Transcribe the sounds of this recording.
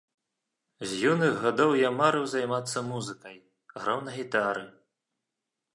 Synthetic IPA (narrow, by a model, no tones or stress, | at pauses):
zʲjinɨɣɣad̪ɔwjamaɾɨwzajmat̪sːɐmuzɨkɐj | ɣɾawnɐɣʲit̪aɾɨ